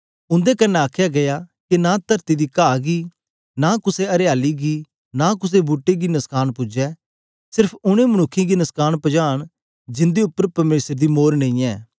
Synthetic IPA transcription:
ʊ̃nd̪ekɐnːɛ̃aːkʰjaɡɐjakinat̪ɐɾt̪id̪ikaːɡi | nakʊseɐɾɪjaːliɡi | nakʊs̬ebuːʈːeɡinɐskaːñpʊd͡ʒɛ | sɪɾpʰʊɽ̃ẽmɐnʊkʰːĩɡinɐskaːnpɐd͡ʒaːɽ̃ | d͡ʒɪ̃nd̪eʊpːəɾpɐɾmeːsɾd̪imoːɾnẽĩːɛː

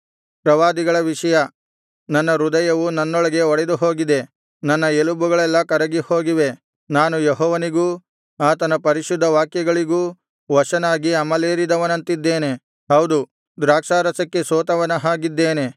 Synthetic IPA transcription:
pɾɐʋaːd̪iɡɐɭɐʋiʂɐjɐ | nɐnːɐɾud̪ɐjɐʋunɐnːɔɭɐɡe̞ɔɽed̪uɦo̞ːɡid̪e̞ | nɐnːɐelubuɡɐɭɛlːɐkɐɾɐɡiho̞ːɡiʋe̞ | naːnujeɦɔːʋɐniɡuː | aːt̪ɐnɐpɐɾiʃud̪ʱːɐʋaːkjɐɡɐɭiɡuː | ʋɐʂɐnaːɡiɐmɐleːɾid̪ɐʋɐnɐnt̪id̪ːe̞ːne̞ | ɦɐwd̪u | d̪ɾaːkʂaːɾɐsɐkːe̞soːt̪ɐʋɐnɐɦaːɡid̪ːeːne̞

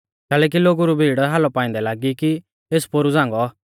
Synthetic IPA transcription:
kɛːlɛːk̬iloːɡuɾubʱiːɽɦaːlɔpaːɪ̃nd̪ɛlaːɡiki | eːspoɾud͡zãːŋɡɔ

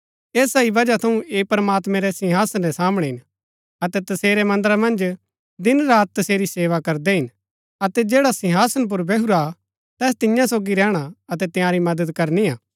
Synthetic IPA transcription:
eːsaibɐd͡ʒat̪ʰɐũʔeːpɾmaːt̪mɛ̃ɾɛsɪ̃ɦaːsənɾɛsaːmɽ̃ɛ̃ɦɪn | ɐt̪ɛt̪ɐseːɾɛmɐ̃nd̪əɾamɐ̃nd͡ʒ | d̪ɪnɾaːt̪̚ːɐseːɾiseːʋakɐɾd̪ɛɦɪn | ɐt̪ɛd͡ʒeːɽasɪ̃ɦaːsənp̬ʊɾbɛɦuɾa | t̪ɛːs̬t̪ɪjãsoːɡiɾɛːɽ̃aɐt̪ɛt̪ɪjãːɾimɐd̪əd̪kɐɾniaː

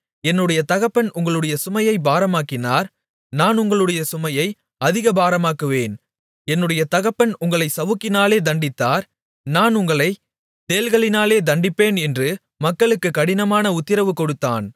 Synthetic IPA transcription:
ɛnːɯɽɐjɐt̪ɐɣɐpːɐnʊŋɡɐɭɯɽɐjɐsʊmɐjɐɪbaːɾɐmaːkːɪnaːɾ | naːnʊŋɡɐɭɯɽɐjɐsʊmɐjɐɪ | ɐðɪɣɐbaːɾɐmaːkɯʋeːn | ɛnːɯɽɐjɐt̪ɐɣɐpːɐnʊŋɡɐɭɐɪsɐʋɯkːɪnaːleːd̪ɐɳɖɪt̪ːaːɾ | naːnʊŋɡɐɭɐɪ | t̪eːlɣɐɭɪnaːleːd̪ɐɳɖɪpːeːnɛndrɯ | mɐkːɐɭɯkːɯkːɐɽɪnɐmaːnɐʊt̪ːɪɾɐʋɯkːɔɽɯt̪ːa̰ːn

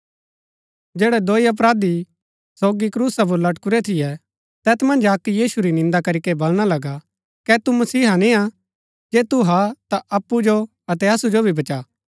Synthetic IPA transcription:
d͡ʒɛːɽɛd̪oːiɐp̬ɾaːd̪i | soːɡikɾuːsap̬ʊɾlɐʈkʊɾɛt̪ʰɪjɛ | t̪ɛːt̪ʰmɐ̃nd͡ʒakːijiːsuɾinɪ̃nd̪akɐɾikɛbɐlɽ̃alɐɡa | kɛt̪umɐsiːɦanĩa | d͡ʒeːt̪uɦat̪aʔɐpːud͡ʒo | ɐt̪ɛɐsud͡ʒobʱibɐt͡ʃaː

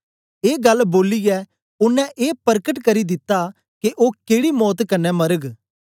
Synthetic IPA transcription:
eːɡɐlːboːliɡɛ | ʊnːɛ̃ʔeːpɐɾkəʈkɐɾid̪ɪt̪ːa | keʔoːkeːɽimɔːt̪kɐnːɛmɐɾəɡ

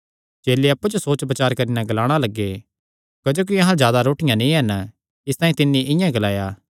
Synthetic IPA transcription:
t͡ʃeːleɐpːud͡ʒosoːt͡ʃpɐt͡ʃaːɾkɐɾinaɡɐlaːɽ̃alɐɡːe | kɐd͡ʒoːk̬iɐɦãzjaːd̪aɾoːʈɪjãnĩːɦɐn | ɪst̪ãːĩt̪ɪnːiʔɪ̃jãɡɐlaːjaː

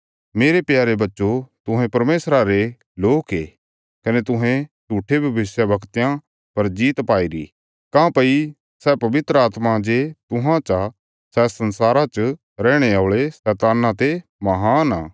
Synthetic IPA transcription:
meːɾepjaːɾebɐtːʃot̪ʊɦɛ̃pɐɾmeːsɾaɾe | loːkɦḛː | kɐnet̪ʊɦɛ̃t͡ʃuːʈʰebʱɐʋɪsjabɐkt̪jã | pɐɾd͡ʒiːt̪paːiɾḭ | kãːpɐi | sɛːpɐʋɪt̪ɾəaːt̪mãd͡ʒet̪ʊɦãt͡ʃa | sɛːsɐnsaːɾat͡ʃ | ɾɛːɽ̃eaːɭesɛːt̪aːnãt̪emɐɦaːnaː

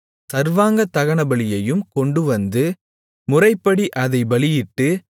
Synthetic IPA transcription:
sɐɾʋaːŋɡɐt̪ːɐɣɐɳɐbɐɭɪjɐjɯmkɔɳɖɯʋɐnd̪ɯ | mʊrɐɪpːɐɽiʔɐðɐɪbɐɭɪjɪʈːɯ

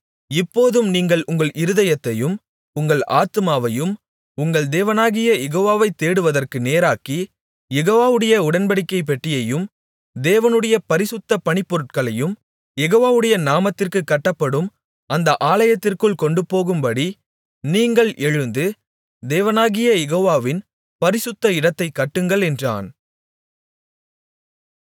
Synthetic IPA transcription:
ɪpːoːðɯmniːŋɡɐɭʔʊŋɡɐɭʔɪɾɯðɐjɐt̪ːɐjɯm | ʊŋɡɐɭa̰ːt̪ɯmaːʋɐjɯm | ʊŋɡɐɭd̪eːʋɐnaːɣɪjɐjɛɣoːʋaːʋɐɪt̪ːeːɽɯʋɐðɐrkɯneːɾaːki | jɛɣoːʋaːʋɯɽɐjɐʊɽɐnbɐɽɪkːɐɪpɛʈːɪjɐjɯm | d̪eːʋɐnɯɽɐjɐpɐɾɪsɯt̪ːɐpɐɳɪpːɔɾɯʈ̚kɐɭɐjɯm | jɛɣoːʋaːʋɯɽɐjɐnaːmɐt̪ːɪrkɯkːɐʈːɐpːɐɽɯm | ɐnd̪ɐʔaːlɐjɐt̪ːɪrkɯɭkɔɳɖɯpoːɣɯmbɐɽi | niːŋɡɐɭʔɛɻɯnd̪ɯ | d̪eːʋɐnaːɣɪjɐjɛɣoːʋaːʋɪn | pɐɾɪsɯt̪ːɐɪɽɐt̪ːɐɪkːɐʈːɯŋɡɐɭɛndra̰ːn

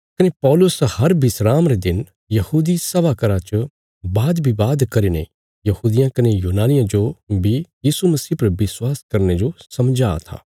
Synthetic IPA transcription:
kɐnepɔːlʊshɐɾbɪsɾaːmɾed̪ɪn | jɐhuːd̪isɐbakɐɾat͡ʃ | baːd̪bʱibaːd̪kɐɾinḛ | jɐhuːd̪ɪjãkɐnejuːnaːnɪjãd͡ʒobʱijiːsumɐsiːpɐɾbɪswaːskɐɾned͡ʒosɐmd͡ʒa̰ːt̪ʰa̰ː

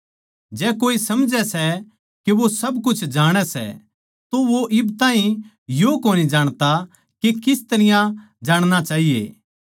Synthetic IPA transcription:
d͡ʒɛːkoːisɐmd͡ʒɛsɛ | keʋosɐbkʊt͡ʃʰd͡ʒaːɽ̃ɛsɛ̰ | t̪oʋoʔɪbt̪ãːĩ | jokoːnid͡ʒaːɽ̃t̪a | kekɪst̪ɐɾɪjã | d͡ʒaːɽ̃nat͡ʃaːɦijḛː

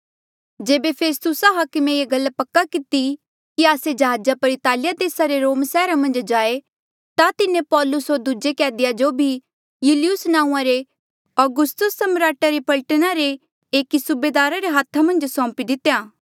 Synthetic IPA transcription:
d͡ʒeːbepʰeːst̪ʊsaɦaːkəmẽjeɡɐlːpɐkːakɪt̪i | kiaːsed͡ʒɐɦaːd͡ʒapɐɾɪt̪aːlɪjad̪eːsaɾeɾoːmsɛːɾamɐ̃nd͡ʒd͡ʒaːe | t̪at̪ɪnẽpɔːlʊsɦoɾd̪ud͡ʒekɛːd̪ɪjad͡ʒobʱi | jʊːlɪjʊsnãːũãɾe | ɔːɡʊst̪ʊsːɐmɾaːʈaɾepɐlʈənaɾe | eːkisʊbeːd̪aːɾaɾeɦaːt̪ʰːamɐ̃nd͡ʒsɔ̃ːmpid̪ɪt̪ːejaː

